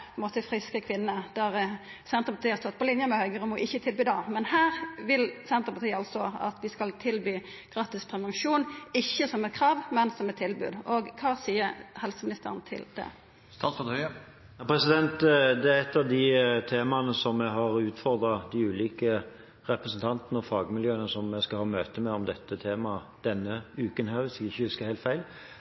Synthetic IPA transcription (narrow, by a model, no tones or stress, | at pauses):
pʰɔɛnmoːt̪əfɾɪskəkʰʋɪnːəd̪̥æʁ | sɛnt̪ʁpʰɑt̪iːæɾst̪ɔt̪̚ːpʰɔlɪnjəmɛhœʏɡəʁʉmuʔɪçːət̪ʰɪlbyːd̪ɑmɛnhæːɾʋɪlsɛnt̪ʁəpɑt̪ʰiːɑlsɔɑ̰t̪ʋɪskɑlt̪ʰɪlbyː | ɡ̥ʁɑːt̪ɪspʰɾɛʋɑŋʃuːnɪçːəsɔmɛt̪̚kʰɾɑːʋmɛnsɔmɛt̪ʰːɪlbʉ̰ːd̪ɔɡkʰɑːsiːəɾhɛlsəmɪnɪst̪ə̰ʁənt̪ʰɪ̰ld̪̥ɛ̰ | st̪ɑsfɑt̪hœʏ | nɑpʰɾɛsɪd̪ɛnt̪d̪ɛæɾɛt̪ːɑʋd̪ɪt̪ʰeːmɑnəsɔmæɪɦɑɾʉːt̪fɔʁd̪ɾɑd̪ɪʉːliːkə | ɾɛpɾəsn̩t̪ʰɑnt̪nəɔfɑːɡmɪljøːənəsɔmæɪskɑhɑːmøːt̪əmɛɔmd̪ɛt̪ːət̪ʰeːmɑd̪̥ɛnːəʉːkənɦæːɾʋɪsɛɡɪçːəhʉskəʁhæɪlt̪fæɪl